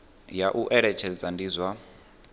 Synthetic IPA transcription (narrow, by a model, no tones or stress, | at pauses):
jaʔuʔɛɺɛt͡ʃʰɛd͡zandizʷa